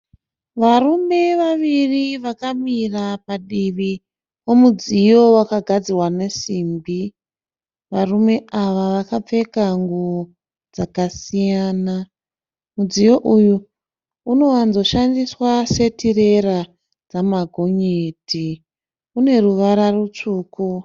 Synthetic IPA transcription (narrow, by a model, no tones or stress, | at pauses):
ʋarume̞ʋaʋiriʋakamirapaɗiʋi | o̞mud͡zijo̞wakaɡʱad͡zirwane̞simbi | ʋarume̞ʔaʋaʋakap͡fe̞kaŋɡu | d͡zakasijaːna | mud͡zijo̞ʔuju | uno̞wanzo̞ʃandiswase̞tʰire̞ra | d͡zamaɡʱo̞ɲeːtʰi | une̞ruʋaɾarut͡ʂuːku